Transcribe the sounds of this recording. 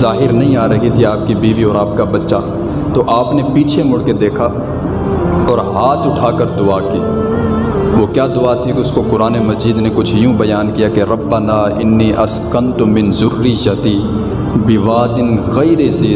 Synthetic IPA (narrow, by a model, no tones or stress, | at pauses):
zaːɦɪɾnɐɦĩaːɾɐɦit̪ʰiaːp̚kibiːʋiɔːɾaːp̚kabɐtːʃa | t̪oʔaːpnepiːt͡ʃʰemʊɽked̪eːkʰa | ɔːɾɦaːt̪ʊʈʰaːkəɾd̪ʊaːkiː | ʋokjaːd̪ʊat̪ʰikeʊskokʊɾaːnemɐziːd̪nekʊt͡ʃʰjũbɐjaːnkijakeɾɐbːɐnaːɪnːiːʔɐskɐnt̪ʊmɪnzʊɾːɪjɐt̪i | bɪʋaːd̪ɪnɣɐiɾeziː